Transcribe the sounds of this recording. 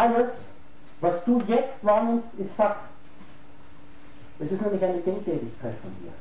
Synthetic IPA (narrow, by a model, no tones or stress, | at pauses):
ʔaləs | vasd̥uːjɛt͡stvaːnɪmstɪsfak | dɛsɪstnɛmlɪçaɪnədɛŋkd̥ɛtɪçkʰaɪtfɔndḭːɐ